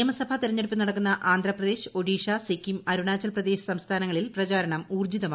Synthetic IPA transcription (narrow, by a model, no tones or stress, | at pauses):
ɐmɐsɐbʱɐt̪iɾɐɲːeɽipːɨnɐɽɐkːunːɐʔaːnd̪ʱrɐprɐðe̞ːɕo̞ɽiːʂasikːimɐɾuɳaːt͡ɕːɐlprɐd̪eːɕɐ̥sɐmst̪ʰaːnɐŋːɐɭilprɐt͡ɕaːɾɐɳɐmuːrd͡ʑiðɐmaː